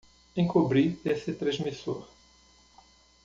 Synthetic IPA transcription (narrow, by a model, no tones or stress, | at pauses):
ẽkubɾiesɪt̪ɾɐ̃zmisoɾ